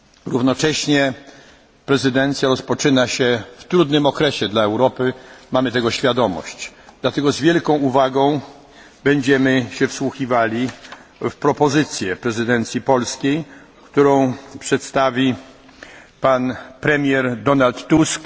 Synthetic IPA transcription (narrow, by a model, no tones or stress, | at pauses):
ɾuvnɔt͡ʂɛɕɲɛ | pɾɛzɘd̪ɛnt̪sʲjaɾɔspɔt͡ʂɘnaɕɛft̪ɾud̪nɘmɔkɾɛɕɛd̪laɛwɾɔpɘmamɘt̪ɛɡɔɕfʲjad̪ɔmɔ̰ɕt͡ɕd̪̥lat̪ɛɡɔzvʲjɛlkɔ̃w̃uvaɡɔ̃w̃ | bɛɲd͡ʑɛmɘɕɛfswuxivalʲifpɾɔpɔzɘt̪sʲjɛpɾɛzɘd̪ɛnt̪sʲjipɔlskʲej | kt̪uɾɔ̃w̃pʂɛt̪st̪avʲi | panpɾɛmʲjɛɾd̪ɔnalt̪ːusk